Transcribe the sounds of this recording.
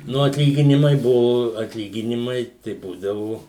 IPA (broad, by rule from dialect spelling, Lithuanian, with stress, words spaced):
ˈnʊ ɐtʲˈlʲiːɡʲɪnʲɪmɐɪ ˈbʊʋoː ɐtʲˈlʲiːɡʲɪnʲɪmɐɪ tɐɪ ˈbuːdɐʋʊ